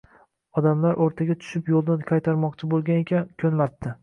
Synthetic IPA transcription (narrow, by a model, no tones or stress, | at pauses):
ɒd̪amlaɾʔoɾt̪ʰaɡʲat̪ʰʊ̥ʃɪpjolˠd̪ɪnkʰajt̪ʰaɾmɒqt͡ʃʰɪbolˠɡʲanekʲʰankʲʰɵnlat̪ːɪ